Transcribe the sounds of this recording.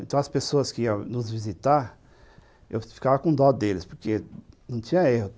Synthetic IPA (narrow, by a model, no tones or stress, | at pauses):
ẽt̪ɐ̃w̃ɐspesoɐskɪiɐnʊzvizit̪aɾ | ḛwfi̥kavɐkõd̪ɔd̪d̪elɪspoɾkenɐ̃w̃t͡ʃ̪ĩɲɐehʊ